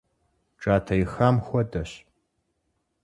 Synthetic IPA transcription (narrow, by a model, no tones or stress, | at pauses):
ʈ͡ʂʼaːtʰɐjɪxaːmxʷɔdɐɕ